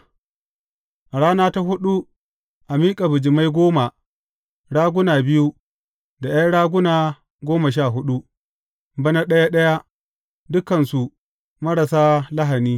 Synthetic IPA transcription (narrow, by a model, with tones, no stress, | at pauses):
ɽaː˦naː˦ta˦ɦʊ˦ɗu˦ | ʔa˨miː˦kʼa˨bʊ˨d͡ʒɪ˨ma˦jɡʷoː˦ma˨ | ɽaː˦ɡʷʊ˦naː˨bɪ˦ju˦ | da˨ja˦jɽaː˦ɡʷʊ˦naː˨ | ɡʷoː˦ma˨ʃ̬aː˦˨ɦʊ˦ɗu˦ | bɐ˦na˦ɗɐ˦ja˦ɗɐ˦ja˦ | dʊ˦kɐ˨nsu˨ | mɐ˦ɾɐ˨saː˦lɐ˦ɦa˨niː˦